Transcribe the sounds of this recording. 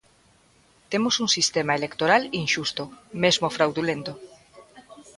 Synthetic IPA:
t̪emosuŋsist̪emaelekt̪oɾalinʃust̪omezmofɾawðulẽnt̪o

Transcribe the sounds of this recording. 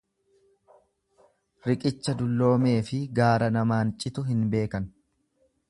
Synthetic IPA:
ɾɪkʼɪt͡ʃːɐd̪ʊlːo̞ːme̞ːfɪɡaːɾɐnɐmaːnt͡ʃʼɪt̪ʊɦɪnbe̞ːkɐn

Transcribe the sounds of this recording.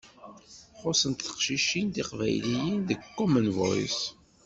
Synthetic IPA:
χosənt̪θə̥qʃiʃːind̪iqvæ̰jlijənðəɡkːɔmənvo̰js

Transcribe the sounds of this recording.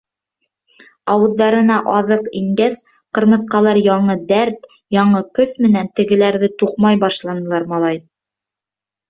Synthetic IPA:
ɑwɤ̆ðːɑɾɤ̆nɑʔɑðɤqiŋɡæs | qɤ̆ɾmɤ̆θqɑlˠɑɾjɑɴɤd̪æɾt̪ | jɑɴɤkɵsmɘ̆nænt̪ɘ̆ɡɘ̆læɾðɘt̪uqmɑjbɑʃlˠɑnɤ̆lˠɑɾmɑlˠɑj

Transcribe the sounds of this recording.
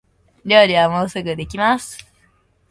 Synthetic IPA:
ɾʲo̞ːɾʲiβamo̞ːsɨɡɯ̟d̪e̞kʲimasɨ̥

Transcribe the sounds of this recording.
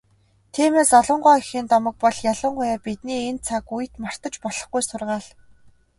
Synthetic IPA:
t̪ʰiːmeːsɔɮɞ̆ɴɢɔːxiːnt̪ɔmɞ̆k̚pɔɮjaɮə̆ɴɢʊjaːpit̪niːent͡sʰakujɘ̆t̪mar̥t̪ɞ̆t͡ɕpɔɮ̥ɞ̆χɡujsʊrʁaːɮ

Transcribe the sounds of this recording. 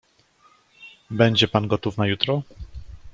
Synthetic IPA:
bɛɲd͡ʑɛpanɡɔt̪ufnajut̪ɾɔ

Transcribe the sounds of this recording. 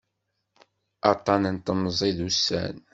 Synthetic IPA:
ɑt̪ˤːɑnənt̪əmzˤiðusːæ̰n

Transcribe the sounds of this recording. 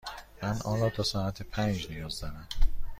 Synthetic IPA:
mænɒːlɒːt̪ʰɒːsɒːæt̪ʰepʰænd͡ʒnijɒːzd̪ænæm

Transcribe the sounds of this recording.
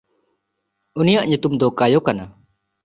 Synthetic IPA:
unijaʔɲut̪umd̪ɔkajɔkana

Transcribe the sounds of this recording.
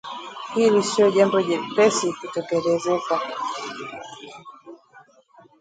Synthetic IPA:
hilisiɔʄambɔɛpɛsikutɛkɛlɛzɛka

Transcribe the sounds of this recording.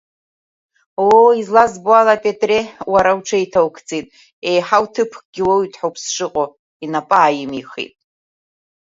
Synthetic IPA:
woizlazbualapʼetʼrewaɾawʈ͡ʂʰajtʰawkʰt͡sʼitʼ | ejħawtʰɨpʰkʼɡ̥ʲɪwoitʰʼħopʰsʂɨqʼo | inapʼaːjɪmiχḭtʼ

